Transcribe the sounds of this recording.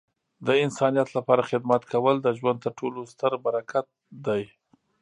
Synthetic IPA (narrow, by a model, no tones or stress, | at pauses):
d̪əɪnsɑnijat̪lapɑɾaxɪd̪mat̪kʰawəld̪əʒwan̚t̪əɾʈolost̪əɾbaɾakat̪̚d̪aj